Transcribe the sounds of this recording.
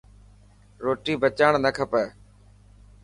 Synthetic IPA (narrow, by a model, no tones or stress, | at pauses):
ɾoːʈiːbət͡ʃaːɳnəkʰəpə